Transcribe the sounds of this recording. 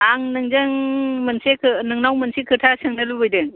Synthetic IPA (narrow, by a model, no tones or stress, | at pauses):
aŋnɯŋzɯŋmɯnsekʰɯnɯŋnawmɯnsekʰɯtʰasɯŋnɯlubɯjdɯŋ